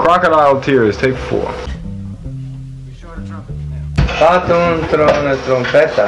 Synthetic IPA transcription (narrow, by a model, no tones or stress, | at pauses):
kʰɹ̥ɑkəɾaɪlˠtʰɪɹɨz̥tʰeɪkfɔ̰ɹ | fat̪ũnt̪ɾɔnət̪ɾɔ̃mpʰɛt̪a